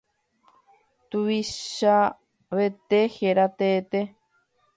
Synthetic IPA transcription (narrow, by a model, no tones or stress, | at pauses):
t̪uβiʃa | βet̪eheɾat̪eːt̪e